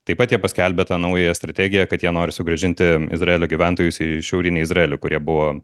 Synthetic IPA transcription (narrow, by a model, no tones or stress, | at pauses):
t̪ɐɪpɐt̪jiɛpɐsʲkʲɛlʲbʲet̪ɑːnɐʊjɛjɛst̪ɾɐt̪ʲæːɡʲɪjɛkɐt̪jiɛnoːɾʲɪsʊɡɾɐʒʲɪnʲt̪ʲɪɪ̰zɾɐeːlʲoːɡʲiʋʲænt̪oːjʊsɪʃʲɛʊɾʲɪnʲɪɪzrɐeːlʲʊkʊɾʲiɛbʊʋoː